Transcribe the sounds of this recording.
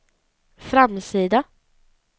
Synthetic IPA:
fɾamsiːd̪a

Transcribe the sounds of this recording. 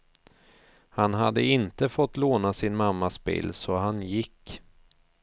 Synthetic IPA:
hanɦad̪ːə̰ɪnt̪əfɔt̪ːloːnasɪnmamːasbḭːlːsɔhanjɪkː

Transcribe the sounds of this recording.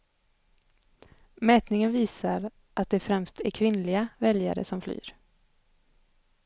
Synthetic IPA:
mɛːt̪nɪŋənviːsaɾ | ʔat̪̚d̪ɛfɾɛmst̪æɾkʰvɪnlɪɡavɛlja̰ɾə̰sɔmfly̰ːɾ

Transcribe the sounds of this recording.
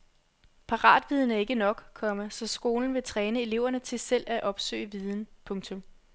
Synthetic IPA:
pʰɑ̈ʁɑ̰̈ːd̥ʋið̞ˠn̩æɐe̝ɡ̥ənɒ̽ɡ̥kʰɒ̽məsɒ̽sɡ̥o̝ːln̩ʋe̝t͡sʰʁɛːnəe̝le̝ʊ̰ɐnət͡sʰe̝sel̰æʔɒ̽b̥sø̰ɪəʋið̞ˠn̩pʰɔ̽ŋt͡sʰɔ̽m

